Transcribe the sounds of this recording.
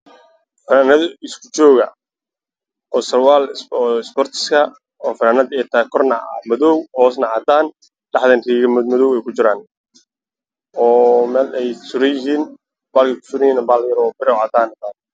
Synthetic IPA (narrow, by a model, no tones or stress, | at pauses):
fɐnaːnɐðɪskʰʊ̥t͡ʃɔːɣɐ | ɔːsɐrwaːlːɪspɔrt̪ʰɪ̥skʰɐ | ɔːfɐnaːnɐðɛt̪ʰɐɛkʰɔrnɐmɔðɔwhɔːs̬nɐʕɑːd̪aːn | ɖ̥ɑħðɐnriːɣɐmmɐðɔːwɛjkʰʊt͡ʃɪɾaːn | ɔːmɛːlɛjsʊɾɛjɪɦiːn | baːlkʰɛjkʰʊ̥sʊɾɛjiːnbaːljɐɾɔːbɪɾɛʕɑːd̪aːnɐt̪aːn